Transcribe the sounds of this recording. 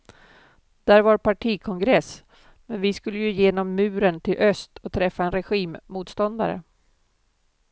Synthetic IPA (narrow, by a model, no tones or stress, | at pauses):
d̪̥æːɾvaɾpʰaʈʰiːkʰɔŋɡɾɛs | mɛnvɪskɵlːəjɵjeːnɔmːʉ̟ːɾənt̪ʰɪlʔœst̪ʰɔt̪ʰɾɛfːaɛnɾɛɧiːmːuːt̪st̪ɔnd̪a̰ɾə̰